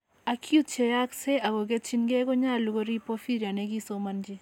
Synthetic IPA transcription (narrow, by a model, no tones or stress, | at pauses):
ɐkʰut͡ʃʰejakseʔɐɡoɡet͡ʃʰinɡeɡoɲaluɡoɾipofiɾjaneɡisomɐnd͡ʒi